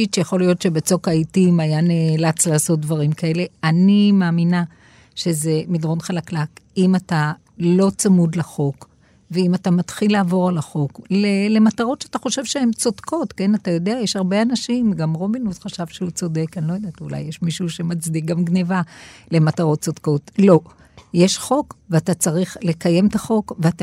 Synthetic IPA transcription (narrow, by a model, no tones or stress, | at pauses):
it͡ʃejaχo̞lijo̞tʃe̞bet͡so̞kaitimajaneːlat͡slaːso̞t̚d̪vaʁimkae̞le̞animaːmina | ʃe̞ze̞midʁo̞nχalaklakimata | lo̞t͡samud̪leχo̞k | veimatamat̪χilːaːvo̞ʁalaχo̞klele̞mataʁo̞tʃeataχo̞ʃe̞vʃehemt͡sodkʰo̞tke̞natajo̞deajeʃhaʁbe̞anaʃimɡamʁo̞binusχaʃavʃeut͡so̞de̞kanlojod̪atula̰jːeʃmiʃuʃe̞mat͡sdik̚ɡamɡnevale̞mataʁo̞t̚t͡sodko̞tlo̞ | jeʃχo̞kveatat͡saʁiχle̞kaje̞mt̪aχo̞kveata